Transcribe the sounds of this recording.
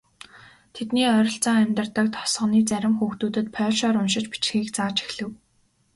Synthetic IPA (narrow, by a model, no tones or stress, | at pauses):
t̪ʰet̪niːœɾʲɞ̆ɬt͡saːŋæmʲt̪ə̆rt̪ə̆k̚t̪ʰɔ̥sɢə̆niːt͡sæɾʲɪ̆mxuːxt̪uːt̪ɘ̆t̪̚pʰœ̥ːʃɔːɾʊnʃɪ̆t͡ɕpi̥t͡ɕxiːkt͡saːt͡ɕi̥xɮɘ̆w